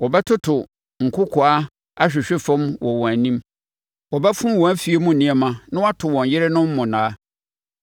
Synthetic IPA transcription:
wɔ˨bɛ˦tʰʊ˦tʰʊ˨ | ŋ̩˨kʰʊ˦kʰʊ˨a˦ | a˦ɕᶣɪ˨ɕᶣɪ˦fɔ̃˦mwɔ˨wɔ̃˨æ˨nĩ˦m | wɔ˨bɛ˦fʊ̃˦wɔ̃˨æ˦fi˦e˦mũ˦˨nɪ̃˦ɛ˨mã˨nʊ̃˦wa˦tʰʊ˨wɔ̃˨n˨jɪ˦ɾɪ˦nʊ̃˦m̩˦mʊ̃˨nãː˨˦

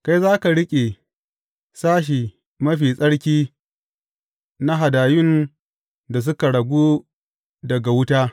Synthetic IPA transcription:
ka˦jzaː˦ka˨ɽɪ˦kʲʼe˨ | saː˦ʃ̬i˨ | mɐ˦ɸiː˨sʼɐ˦ɽkʲiː˦ | na˦ɦa˨daː˨jʊ˦n | da˨s̬ʊ˦ka˨ɽɐ˨ɡʷuː˦ | dɐ˨ɡa˨wʊ˦taː˦

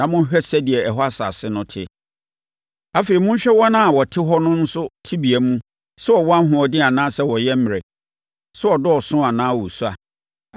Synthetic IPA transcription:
ã˨mʊ̃˦ɕᶣɛ˦sɛ˦di˨ɛ˨ɛ˨ɦɔ˦a˦sa̰˨sɪ˦nʊ̃˦tʰɪ˦ | a˨fe˨i˨mʊ̃˦ɕᶣɛ˦wɔ˦nã˦a˨wɔ˨tʰɪ˦ɦɔ˦nʊ̃˦n̩˦sʊ˦tʰi˦bi˨æ˨mũ˦ | sɛ˦ɔ˨wɔ˦a˦ɦʊ̃˨ɔ˨dɪ̃˦ã˨nãː˦sɛ˦wɔ˨jɛ˦m̩˦m˨ɾe˨ | sɛ˦ɔ˨dʊ˦ɔ˨sʊ̃˦a˨nãː˦wɔ˨su˦a˨

